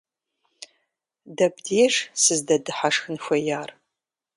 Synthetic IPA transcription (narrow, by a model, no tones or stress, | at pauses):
dɐbdeːʂsɨzdɐdɨħaʂxɨnxʷɐjaːr